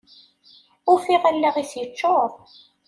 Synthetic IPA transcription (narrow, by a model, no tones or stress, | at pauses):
ʊfiʁælːæʁiθjət͡ʃːoðˤ